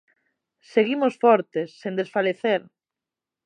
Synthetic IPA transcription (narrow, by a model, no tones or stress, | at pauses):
seɣimʊsfɔɾt̪esːẽnd̪esfaleθeɾ